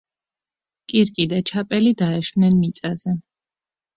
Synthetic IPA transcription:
kʼiɾkʼid̪at͡ʃʰapʼɛlid̪aɛʃwnɛnmit̪sʼazɛ

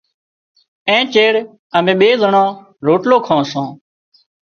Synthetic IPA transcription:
ẽːt͡ʃeːɽ | əmẽːɓeːzəɳãː | ɾoːʈloːkʰãːsõː

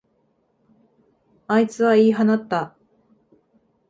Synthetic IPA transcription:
ait͡sɨβaiːɦanat̪ːa

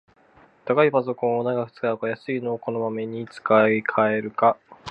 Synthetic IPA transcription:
t̪akaipazo̞kõ̞ɰ̃onaɡakɯ̥t͡sɨ̥kaɯkajasɨino̞ːko̞no̞mame̞ɲ̟it͡sɨ̥kaikʰae̞ɾɯ̟ka

